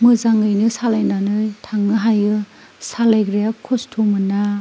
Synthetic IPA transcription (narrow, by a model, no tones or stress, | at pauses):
mɯzaŋɯjnɯsalajnanɯjtʰaŋːɯɦajɯ | salajɡɾejakʰustʰumɯna